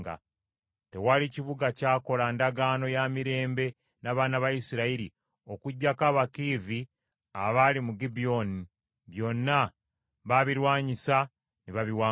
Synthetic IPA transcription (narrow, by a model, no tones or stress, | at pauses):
ɡa̰ | te̞waliciβuɡacaːko̞landaɡaːno̞jamiɾe̞ːmbe̞ | naβaːnaβajisiɾaiɾḭ | o̞kuɟːakaβakiːvi | aβalimuɡibio̞ni | βjo̞nːa | βaβiɾwaːɲisa | niβaβiwaː